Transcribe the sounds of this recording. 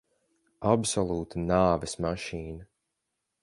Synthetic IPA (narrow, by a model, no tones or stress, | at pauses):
absɔlˠuːt̪ʰanaːvɛsmaʃiːna